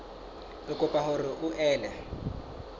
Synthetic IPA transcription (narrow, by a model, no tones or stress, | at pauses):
ʊkʼʊpʼahʊrɪʔʊʔɛːla